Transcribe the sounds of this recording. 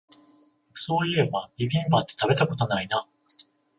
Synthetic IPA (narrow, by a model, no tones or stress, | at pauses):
so̞ːjɯebaibʲĩmbat̪ːet̪abe̞t̪ako̞t̪o̞naina